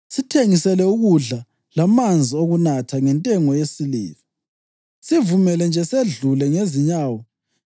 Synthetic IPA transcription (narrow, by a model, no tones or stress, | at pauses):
sitʰeŋisɛlɛuɣuɮa | lamand͡zʱioɣunatʰaŋɛntʼɛŋɔjesilḭːvi | sivumɛlɛnd͡ʒʱɛseɮulɛŋeziɲaːwɔ